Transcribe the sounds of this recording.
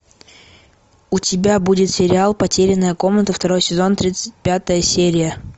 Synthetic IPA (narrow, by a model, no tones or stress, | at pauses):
ʊtʲɪbʲabudʲɪt̪sʲɪɾʲɪalˠpɐtʲeɾʲɪnːəjəko̞mnət̪əft̪ɐɾo̞jsʲɪzo̞nt̪ɾʲit̪sɨ̥t̚ʲpʲat̪əjəsʲeɾʲɪjə